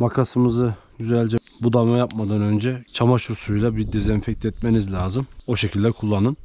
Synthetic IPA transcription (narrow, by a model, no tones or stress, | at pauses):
makʰasɯmɯzɯɟyzælʲd͡ʒɛ | bud̪amajapmad̪anø̞nd͡ʒɛt͡ʃʰamaʃuɾsujlˠabiɾd̪ezɛnfɛc̚t̪ʰɛt̪̚menizlʲaːzɯmo̞ʃecʰilʲd̪ɛkʰulˠːanɯn